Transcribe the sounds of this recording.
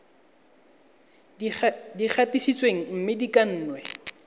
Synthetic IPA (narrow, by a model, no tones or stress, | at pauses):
dik͡xʰatisit͡sʼweŋ̩m̩mɪdikʼan̩ːnwɛ